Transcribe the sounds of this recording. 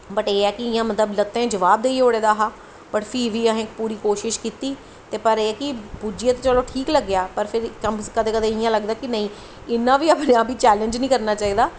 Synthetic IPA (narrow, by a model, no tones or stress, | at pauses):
bəʈeːɛːkɪɪjãːmət̪ləblət̪ẽːd͡ʒəʋaːb̚d̪eːioːɽeːd̪aːɦaː | bəʈpʰiːʋiːəɦẽkpuːɾiːkoːʃɪʃkiːt̪iː | t̪eːpəɾeːɛːkɪbud͡ʒiãt̪eːt͡ʃəloːʈʰiːkləɡːɪjaːpəɾpʰɪɾkəmskəd̪eːkəd̪ẽːɪjãːləɡd̪aːkɪnəĩː | ɪnːãːʋiːəpnẽːãːpiːt͡ʃɛːlə̃nd͡ʒnĩːkəɾnaːt͡ʃaːiːd̪aː